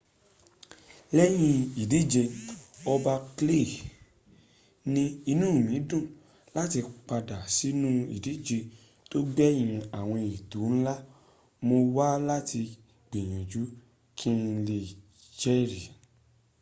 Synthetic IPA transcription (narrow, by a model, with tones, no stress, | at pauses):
lɛ˦j̃ĩ˧i˨di˨˦d͡ʒe˧ɔ˧ba˧kle˦˨ | nĩ˧i˧nũː˦˨mĩ˨˦dũ˦˨ | la˦ti˧k͡pa˧da˨si˨˦nũ˦ḭ˨di˨˦d͡ʒe˧ | to˦ɡ͡bɛ˦j̃ĩ˧a˨w̃ɔ̃˧i˨tu˨˦ñ̩˦la˦ | mo˧wa˦la˦tʰi˧ | ɡ͡bĩ˨j̃ɔ̃˨d͡ʒu˨˦ | kʰĩ˦˧le˧˨ | d͡ʒɛ˦ɾi˨